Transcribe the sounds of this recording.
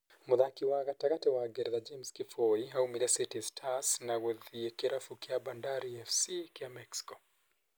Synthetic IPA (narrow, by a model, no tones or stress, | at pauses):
muðakiwaɣataɣatɛwaɡɛɾðad͡ʒɛmskifɔiɦaumilɛsitistʰasnaɣuðiɛkɛɾafukiabandaɾiɛfsikiamɛksi̥kɔ